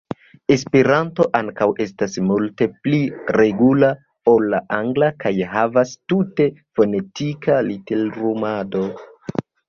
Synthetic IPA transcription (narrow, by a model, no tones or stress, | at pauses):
espiɾanto̞ʔaŋkawe̞stasmulte̞pliɾe̞ɡula | olːaʔaŋɡlakajɦavastute̞fo̞ne̞tikalitelɾumado̞